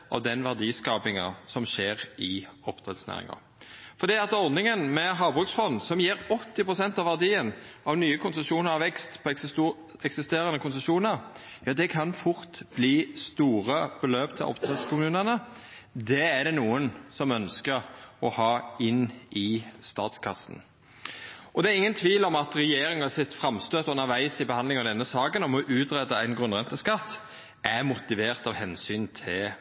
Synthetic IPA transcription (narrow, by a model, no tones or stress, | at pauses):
ʔɔ̰d̪ɛnʋæʁd̪iːskɑːpɪŋɑ̰sɔmʃeːʁɪɔpt̪ʰʁɛt̪snæ̰ːʁɪ̰ŋɑ̰ | fɔʁd̪iːɑt̪ɔɾd̪nɪŋənmɛɦɑːbʁʉksfɔnsɔmjiːɾɔt̪ːɪpʁʊsɛnt̪ɑʋæʁd̪iːənʔɑʋnyːəkʊnsəʂuːnəʁɑʋɛkst̪pʰɔ | ɛksɪst̪eːɾənəkʰʊnsəʂuːnəɾ | jɑːd̪ɛkʰɑnfʊʁt̪b̥liːst̪uːʁəb̥əløːpt̪ʰːɪlʔɔ̰pt̪ʰʁɛt̪skʊmʉːnənə | d̪ɛæɖ̪ɛnuːənsɔmœnskəɾɔhɑːɪnːɪst̪ɑ̰ːt̪skʰɑsːn̩ | ɔd̪ɛæɾɪŋːənt̪ʰʋiːlɔmɑt̪ʁɛjeːɾɪŋɑsɪt̪fɾɑmst̪øːt̪ʉnəɾʋæɪsɪbəhɑnd̪lɪŋɑʋd̪ɛnːəsɑːkənɔmɔʔʉːt̪ɾɛd̪əæɪnɡɾʉnʁɛnt̪əskɑt̪ː | ʔæmʊt̪ɪʋeːʁt̪ɑʋhɛnsyːnt̪ʰɪl